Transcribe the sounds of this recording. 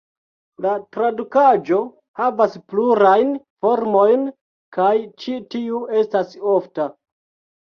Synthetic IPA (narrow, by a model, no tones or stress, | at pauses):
latɾadukad͡ʒo̞ | havaspluɾajn | fo̞ɾmo̞jn | kajt͡ʃitiue̞staso̞fta